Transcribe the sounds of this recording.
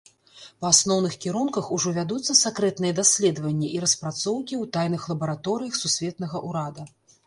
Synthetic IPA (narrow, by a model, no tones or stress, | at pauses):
pɐasnɔwnɨxkʲiɾunkɐxuʐɔvʲad̪ut̪sːɐsakɾɛt̪nɨjɛd̪asʲlʲɛd̪ɐvɐnʲːiʔiɾɐspɾat̪sɔwkʲiwt̪ajnɨxlˠɐbɐɾat̪ɔɾɨjɐxsusʲvʲɛt̪nɐɣɐʔuɾad̪ɐ